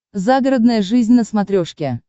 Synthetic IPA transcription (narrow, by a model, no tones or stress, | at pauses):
zaɡəɾəd̪nəjəʐɨzʲnʲnəsmɐt̪ɾʲoʂkʲɪ